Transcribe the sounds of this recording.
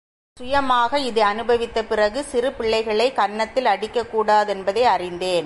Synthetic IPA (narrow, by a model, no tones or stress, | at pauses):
sʊjɐmaːɣɐɪðɯɐnɯbɐʋɪt̪ːɐpɪrɐɣɯsɪrɯpɪɭːɐɪɣɐɭɐɪkɐɳːɐt̪ːɪlɐɽɪkːɐkːuːɽaːðɛnbɐðɐɪɐrɪnd̪eːn